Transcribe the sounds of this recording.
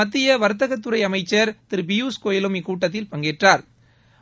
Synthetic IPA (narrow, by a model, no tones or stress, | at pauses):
ɐt̪ːɪjɐʋɐɾɯt̪̬ːɐɣɐt̪̬ːɯɾɐɪɐmɐɪt͡ʃːɐɾt̪ɪɾbɪjuːskoːjɪlɯmɪkːuːʈːɐt̪̬ːɪlpɐŋɡeːʈraːɾ